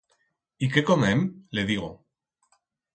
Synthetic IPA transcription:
ikekomemleðiɣo̰

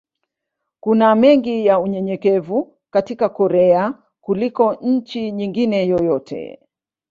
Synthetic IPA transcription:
kunamɛŋɡijauɲɛɲɛkɛvu | katikakɔɾɛa | kulikɔɲ̩t͡ʃiɲiŋɡinɛjɔjɔtʰɛ̰

